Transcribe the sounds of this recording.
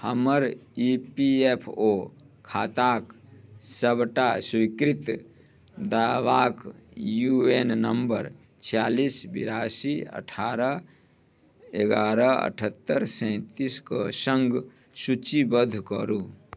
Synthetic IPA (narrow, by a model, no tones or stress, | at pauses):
həməɾiːpiepʰoː | kʰaːt̪aːksəbʈasʊikɾɪt̪ | d̪awaːkjuennəmbəɾ | t͡ʃʰjaːliːsbɪ̰ɾaːsiə̰ʈʰaːɾə | eɡaːɾəə̰ʈʰət̪ːəɾsɛ̃t̪iskosə̃ŋɡ | sut͡ʃibəd̪ʱkəɾu